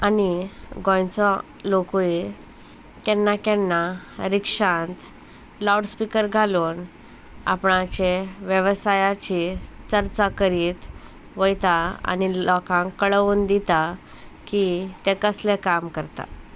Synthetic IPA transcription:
aniɡʱɔ̃jt͡sɔ | lokui | kɛnːakɛnːaɾikʂãnt̪ | lɔɽspikəɾɡʱaluːn | a̰pɳãt͡ɕeʋjəʋsajat͡ɕit͡səɾt͡sakəɾiːt̪ | ʋəjt̪aa̰niɔkãkːəɭʋuːnd̪it̪a | kit̪ẽkəslekamkəɾt̪a̰

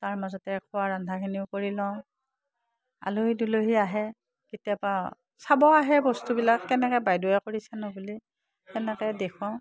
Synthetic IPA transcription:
taɹmazɔtɛkʰɔwaɹandʱakʰiniʊkoɹilɔ̃ʊ̃ | a̰luɦiduloɦiaɦɛ | kitiaba | sabɔaɦɛbɔstubilakːɛnɛkɔbajduɛkoɹisɛnɔbuli | ɛnɛkɛdekʰɔ̃ʊ̃

